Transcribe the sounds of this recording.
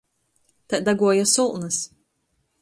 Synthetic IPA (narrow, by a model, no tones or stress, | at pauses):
t̪ad̪aɡuɔjasulˠnɨs